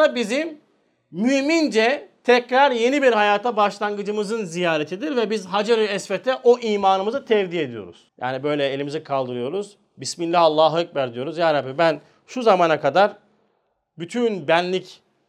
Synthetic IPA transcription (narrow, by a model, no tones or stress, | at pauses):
abizim | mymind͡ʒɛt̪ʰɛcɾaɾje̞nibiɾhajaːt̪ʰabaʃlˠanɡɯd͡ʒɯmɯzɯnzijaːɾet̪ʰid̪iɾvɛbizɦad͡ʒaɾyɛsfɛt̪ʰɛʔoʔiːmaːnɯmɯzɯt̪ʰɛvd̪ie̞d̪ijo̞̰ɾuz̥ja̰ːnibø̞jlʲɛelʲimizikʰalˠd̪ɯɾɯjo̞ɾuz | bisminːʲaalˠːaːɦɯɯk̚bæɾd̪ijo̞ɾuzjaːɾabibæn | ʃuzamaːnakʰad̪aɾ | byt̪ʰynbænlʲic